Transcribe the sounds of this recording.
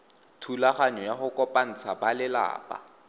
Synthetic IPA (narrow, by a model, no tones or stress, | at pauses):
tʰulaχaɲɔjaχʊkʼɔpʼan̩t͡sʰabalɪla̰ːpʼa̰